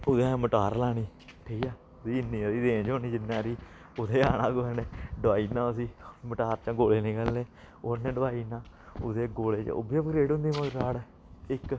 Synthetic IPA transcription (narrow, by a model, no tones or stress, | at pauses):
ʊd̪ẽːməʈaːɾlaːɽ̃iː | ʈʰiːkaː | siːɪnːiːasiːd̪ẽːd͡ʒoːniːd͡ʒɪnːãːɾiː | ʊt̪eːaːnãːɡoɛːneːɖəaːiːnãːʊsiːməʈaːɾt͡ʃãːɡoːleːnĩːkɛlːeː | onẽːɖəʋaːiːnãː | ʊd̪eːɡoːleːt͡ʃo̰ːbiəpɡɾeːɖʊ̃nd̪iːməɾaːɽ | ɪk